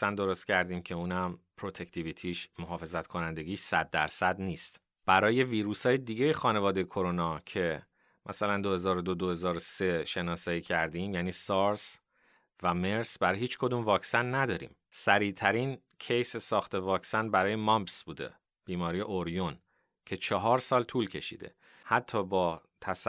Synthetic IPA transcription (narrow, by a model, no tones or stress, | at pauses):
sænd̪o̞ɾost̪cʰæɾd̪iːmcʰe̞uːnæmpʰɾo̞t̪ʰect̪ʰivit̪ʰiːʃmoɦɒːfe̞zæt̪kʰo̞nænd̪e̞ɟiːʃsæd̪̚ːæ̰ɾsæd̪niːst̪ | b̥æɾɒːje̞viːɾuːshɒːjed̪iːɟe̞jexɒːne̞vɒːd̪e̞jekʰo̞ɾo̞nɒːcʰe̞ | mʔæsælænd̪o̞he̞zɒːɾod̪od̪ohe̞zɒːɾose̞ʃe̞nɒːsɒːiːcʰæɾd̪iːmjæːniːsɒɾs | væme̞ɾsbæɾɒːjhiːt͡ʃkʰo̞d̪uːmvɒːcsænːæd̪ɒːɾḭːm | sæɾiːt̪ʰæɾin | cʰe̞jsesɒːxt̪ʰe̞vɒːcsænbæɾɒːje̞mɒmbsb̥uːd̪e̞̰ | b̥iːmɒːɾiːjeʔoɾjon | cʰe̞t͡ʃʰɒɦɒːɾsɒːlt̪ʰuːlcʰe̞ʃḭːd̪e̞̰ | hæt̪ʰːɒːbɒːt̪ʰæs